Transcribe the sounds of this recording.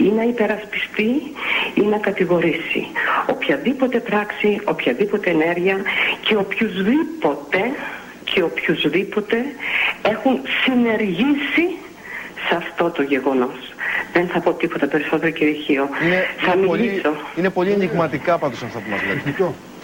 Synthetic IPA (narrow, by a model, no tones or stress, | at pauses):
inɐipe̞ɾɐspi̥st̪iinɐkɐt̪iɣo̞ɾisḭo̞̰pçɐðipo̞t̪e̞pɾɐksio̞pçɐðipo̞t̪e̞ːne̞ɾʝiɐce̞opçuzðipo̞t̪e̞ | cʰe̞o̞pçuzðipo̞t̪e̞e̞xunsine̞ɾʝisi | sɐft̪o̞t̪o̞ʝe̞ɣo̞no̞sðe̞nθɐpo̞t̪ipo̞t̪ɐpe̞ɾiso̞t̪eɾoceiçio̞neθɐmiʎiso̞inepo̞ʎiɐɲiɣmɐt̪ikɐpɐd̪usɐft̪ɐponɐplḛo